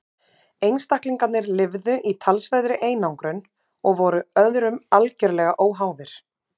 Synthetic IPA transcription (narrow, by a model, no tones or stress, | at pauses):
ejnst̪ahkliŋkat̪nɪɾlɪvðʏʔit̪ʰalsvɛjðɾɪʔeːjnawŋkɾʏn | ɔɣvɔɾʏœðɾʏmalcɛɾlɛɣaʔoːwɦaːwvɪɾ̥